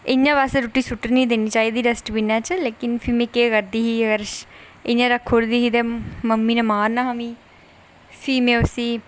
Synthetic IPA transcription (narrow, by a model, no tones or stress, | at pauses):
ɪɲãːʋaːseɾoːʈːiːsʊʈːəɾnĩːd̪eːniːt͡ʃaːiːd̪iːdəsʈbinãːt͡ʃleːkɪnfʰimẽːkeːkəɾd̪iːɦiːəɡəɾ | ɪɲãːɾəkʰːoːɾd̪iːɦiːt̪ẽːməmːiːnəmaːnaɦəmĩː | fʰiːmẽːʊsiː